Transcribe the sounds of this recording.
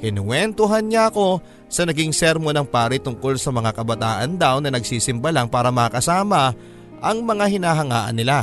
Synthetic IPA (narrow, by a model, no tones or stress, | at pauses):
kɪnɪŋwɛnt̪oɦanɲaʔɐko̞ | sɐnɐɡiŋsɛɾmonɐŋpaːɾit̪ʊŋko̞lsɐmɐŋakɐbɐt̪aːʔɐnd̪awnɐnɐɡ̚siːsɪmbɐlaŋpaːɾɐmɐakɐsaːmɐ | ʔɐŋmɐŋaɦɪnaːɦɐŋaːʔɐ̰nːɪla